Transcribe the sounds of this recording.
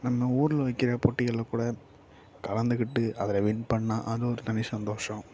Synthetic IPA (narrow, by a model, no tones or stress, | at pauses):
nɐmːɐuːɾɯlʋɐɪkːɪɾɐpɔʈːɪɣɐɭɐkuːɽɐ | kɐlɐnd̪ɯɣɪʈːɯʔɐðɪlɐʋɪnpɐɳːãːʔɐðɯɔɾɯt̪ɐnɪsɐnd̪oːʂɐ̃